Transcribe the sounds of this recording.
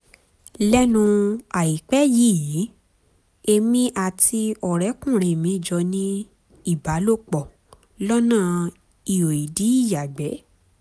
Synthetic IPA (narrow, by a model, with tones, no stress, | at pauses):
lɛ˦nũ˧a˨i˨k͡pɛ˦ji˦˨˦ | e˧mĩ˦ʔa˧˨ti˧ɔ˨ɾɛ˨˦kũ˦˨ɾ̃ẽ˧˨mĩ˨˧˦d͡ʒɔ˧nĩ˦ | i˦˨ba˨˦lo˦˨k͡pɔ˨ | lɔ˦nãː˦˨ | i˧o˨i˨di˨˦i˦˨ja˨ɡ͡bɛ˨˦